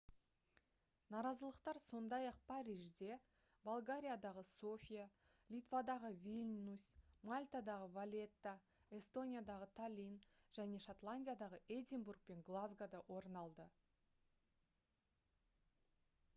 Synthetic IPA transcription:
nɑɾɑzəlˠəqt̪ɑɾso̞nd̪ɑjɑq̚pʰaɾʲiʒd̪e̞ | bolˠɡaɾʲijad̪ɑʁəso̞fʲija | lʲit̪vad̪ɑʁəvʲilʲnusmalʲt̪ad̪ɑʁəvalʲe̞t̪ːa | e̞st̪o̞nʲijad̪ɑʁət̪ʰalʲinʒ̥æne̞ʃat̪lˠanʲdʲijad̪ɑʁəʔed̪ʲimburk̚pe̞ŋɡlˠazɡad̪ɑwʔo̞ɾənɑlˠd̪ə

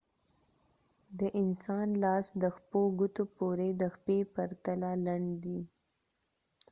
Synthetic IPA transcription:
d̪əʔɪnsɑnlɑsd̪əxpoɡut̪opoɾed̪əxpepaɾt̪alalaɳɖd̪i

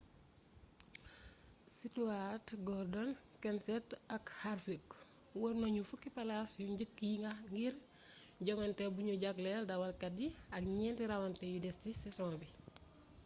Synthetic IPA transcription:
situatɡɔrdɔn | kɛnsɛtɐkhaɾfik | wəɾnoɲufukːipɐlasjuɲɟəkːiŋɡɐŋɡir | ɟɔŋɐntɛbuɲuɟaklɛldɐwɐlkɐdiɐk̚ɲɛːntiɾɐwɐntɛjudɛstisɛsɔŋbi

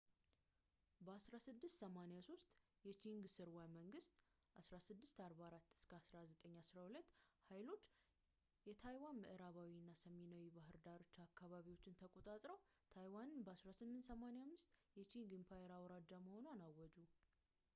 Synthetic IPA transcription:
bəasɾasɨd̪ːɨst̪səmanejaso̞st̪ʼ | jɛt͡ʃʰiŋɡsɨɾwaməŋɡɨst̪ʼ | ʔasɾasɨd̪ːɨst̪aɾbaaɾat̪ːɨ̥skʰəasɾazət̪ʼəɲːasɾahulət̪ːhajlo̞t͡ʃː | jɛt̪ʰajwanmɨʔɨɾaβawinːasəminawibaɦɨɾd̪aɾo̞t͡ʃːakʰːaβaβiwo̞t͡ʃːɪnt̪ʰəkʼo̞t̪ʼat̪ʼɾəw | t̪ʰajwanɨnbəasɾasɨmːɨnt̪səmanejamːɨst̪ʼjɛt͡ʃʰinɡɨmpʰajɛɾawɾad͡ʒaməho̞nanawːɔd͡ʒu

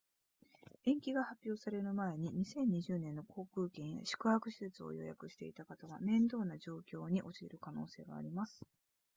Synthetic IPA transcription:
ẽ̞ŋkʲiɡahapʲjo̞ːsaɾenɯmae̞ɲ̟iɲ̟isẽ̞ɲ̟ːiʑɨːnẽnːo̞kʰo̞ːkɯ̟ːkẽ̞ɰ̃ja̰ɕi̥kɯ̟hakɯ̟ɕi̥set͡sɨo̞̰jo̞̰ja̰kɯ̟ɕi̥t̪e̞̰it̪akat̪aβamẽ̞nd̪o̞ːnaʑo̞ːkʲo̞ːɲ̟iʔo̞t͡ɕiḛɾɯ̟kano̞ːse̞ːɡa̰ːɾʲimasɨ̥

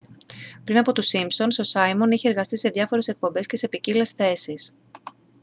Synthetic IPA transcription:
pɾinɐpo̞t̪usimpso̞nsosɐjmo̞niçeːɾɣɐst̪ise̞ðʝɐfo̞ɾe̞se̞k̚po̞mbe̞sce̞se̞picile̞sθe̞sis

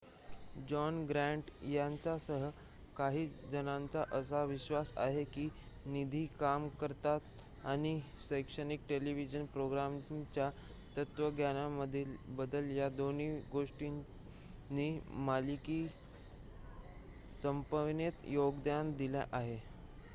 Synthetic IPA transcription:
d͡ʑɔnɡɾæɳʈjant͡sasəɦə | kaɦiːd͡zənãnt͡saʔəs̬aʋiɕʋasa̰ɦekiː | nid̪ʱiːkamkəɾt̪at̪ | añisəjkʂənik̚ʈeliʋid͡ʑənpɾoɡɾamt͡ɕja | t̪ət̪ʋəɡʱjanaməd̪ʱilbəd̪əljad̪oniɡoʂʈi | nimalikiː | səmpəʋnet̪joɡd̪jand̪ilja̰ʔaɦe

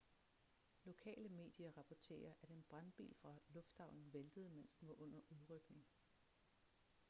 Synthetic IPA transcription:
lo̝kʰɛ̰ːləme̝̰ːd̥jɐʁɑ̈pʰɒt͡sʰe̝̰ːɐʔæɾ̥enb̥ʁɑ̈nb̥ḭːlfʁɑ̈lɔ̽fd̥hɑ̈ʊ̰nn̩ʋeld̥əð̞̩ˠmen̰sd̥enʋɑ̈ʔɔ̽n̰ɐʔuðˠʁœɡ̥ne̝ŋ

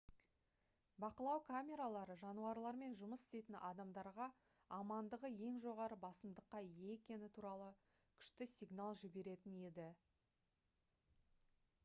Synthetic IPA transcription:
bɑqəlˠɑwkʰamʲe̞ɾalˠɑɾəʒɑnuɑɾlˠɑɾme̞nʒʊməsɪ̥st̪e̞jt̪ɪnʔɑd̪ɑmd̪ɑɾʁɑ | ɑmɑnd̪əʁəje̞ŋʒo̞ʁɑɾəbɑsəmd̪əqːɑje̞ekʲe̞nɪt̪ʰuɾɑlˠə | kʲʰʏ̥ʃt̪ɪsʲiɡnalˠʒɪbe̞ɾe̞t̪ɪne̞d̪ɪ

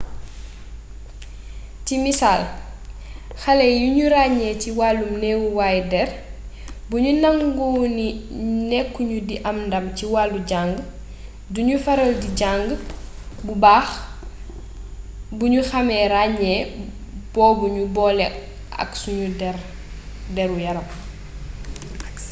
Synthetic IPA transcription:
timisaːl | xɐlɛjuɲuɾaɲɛciwaːlumnɛːwuwaːjdɛr | buɲunaŋɡuninɛkːuɲudiʔɐmndɐmciwaːlːuɟaŋɡ | duɲufɐɾɐldiɟaŋɡ | bubaːx | buɲuxɐmɛɾaːɲɛ | b̥ɔːbuɲubɔːlɛ | ʔɐ̰ksuɲudɛɾ | dɛɾujɐɾɐm

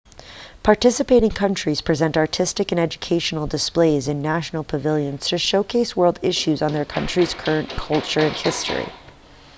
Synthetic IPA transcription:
pʰɑɹtɪsɨpeɪɾɪ̃ŋkʰʌ̃nt͡ʃɹ̥iz̥pʰɹ̥izɛ̃ntɑɹtʰɪstɨkɨ̃nɛd͡ʒɨkʰeɪʃnl̩ˠdɨspleɪzɨ̃nːæʃn̩l̩ˠpʰəvɪlˠjɨ̃nz̥tʰɨʃoʊkʰeɪswɜ˞lˠdɪʃʉzn̩ðə˞kʰʌ̃nt͡ʃɹ̥iz̥kʰɜ˞ɨ̃nkʰʌlˠt͡ʃə˞ɨ̃nhɪstɹ̥ḭ

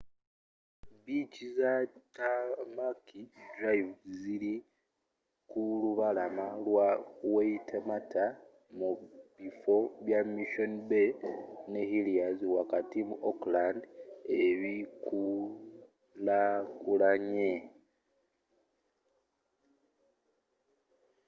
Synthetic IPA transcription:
bicizatamakidɾaivzili | kuluβalamalwaweitʰematʰa | muβifo̞βjamiʃonibene̞hiliaziwakatimuʔoklandeβiku | lakulaɲe

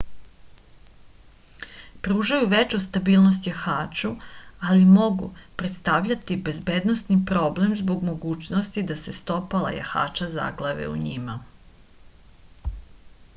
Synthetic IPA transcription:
pɾuːʒajuʋet͡ʃust̪abiːlˠno̞st̪jaxaːt͡ʃualimo̞ɡṵpɾet̪st̪aʋʎat̪ibe̞zbe̞ːd̪nosnipɾo̞ble̞mzbo̞ɡmo̞ɡuːt͡ʃnost̪id̪ase̞st̪o̞pala̰ja̰xa̰ːt͡ʃaza̰ɡlˠaʋḛṵɲima

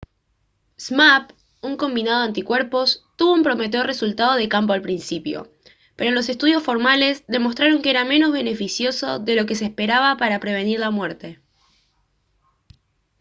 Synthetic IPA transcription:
smap | uŋko̞mbinað̞o̞ant̪ikwe̞ɾpo̞st̪uβo̞umpɾo̞me̞t̪̬eore̞sult̪að̞o̞ðekampoalpɾinsipjo̰ | pe̞ɾo̞lo̞se̞st̪uðjo̞sfo̞ɾmale̞zðe̞mo̞s̬t̪ɾaɾo̞ŋkeeɾame̞no̞zβe̞ne̞fisjo̞so̞̰ðe̞lo̞ke̞s̬espe̞ɾaβapaɾapɾe̞β̞e̞niɾlamwe̞ɾt̪e̞

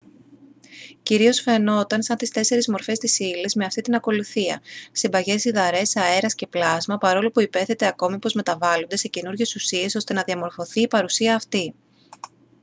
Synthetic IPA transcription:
ciɾio̞sfe̞no̞t̪ɐnsɐnt̪ist̪e̞se̞ɾizmo̞ɾfe̞st̪isilizme̞ɐft̪it̪inɐko̞luθiɐ̰sibɐʝe̞siðɐɾe̞sɐe̞ɾɐsce̞plɐzmɐpɐɾo̞lopuipe̞θe̞t̪e̞ɐko̞mipo̞zme̞t̪ɐvɐlond̪esecenuɾʝe̞susie̞so̞st̪e̞nɐðiɐmo̞ɾfo̞θiːpɐɾusiɐːft̪i

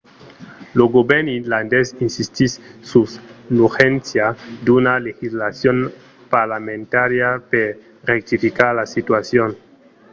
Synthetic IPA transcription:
loɡobeɾniland̪esinsist̪isːusnuxensjad̪unalexizlasjon | paɾlamẽnt̪aɾjape | rek̚t̪ifikaɾlasit̪wasjon

